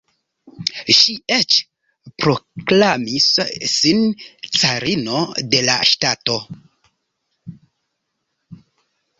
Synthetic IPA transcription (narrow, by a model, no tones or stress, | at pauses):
ʃiet͡ʃ | pɾo̞klamissint͡saɾino̞de̞la̰ʃtato̞